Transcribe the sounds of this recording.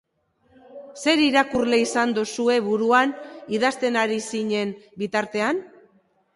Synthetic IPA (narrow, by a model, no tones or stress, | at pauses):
se̞ɾiɾakurle̞isand̪usue̞βuɾuaniðast̪e̞naɾisiɲe̞nbit̪aɾt̪e̞an